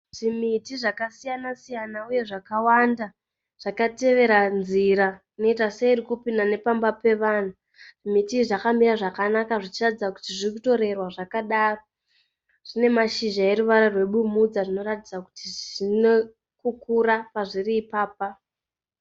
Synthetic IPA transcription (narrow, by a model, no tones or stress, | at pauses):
ʐ̥imitiʐakasijanasijanauje̞ʐakawanda | ʐ̥akate̞ʋe̞ɾanziɾa | ino̞itaseiɾikupindane̞pambape̞ʋaːn̤a | ʐ̥imitiʐakamiɾaʐakanakaʐit͡ʃiratid͡zaku̥tiʐirkuto̞ɾe̞rwaʐakaɗaːro̞ | ʐ̥ine̞maʃiʒae̞ɾuʋaɾarwe̞ɓumud͡zaʐino̞ratid͡zaku̥tiʐine | kukuɾapaʐiriːpaːpa